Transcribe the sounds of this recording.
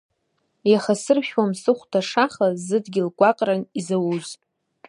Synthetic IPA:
jaχasɨrʃᶣwamsɨχʷdʰaʂaχazɨdɡʲɪlɡʷʼaqʼranizawuz

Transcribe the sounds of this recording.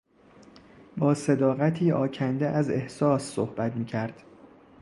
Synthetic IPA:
bɒːse̞d̪ɒːɣæt̪ʰiːɒːcʰænd̪eʔæze̞hsɒːsːohb̥æt̪miːcʰæɾd̪̥

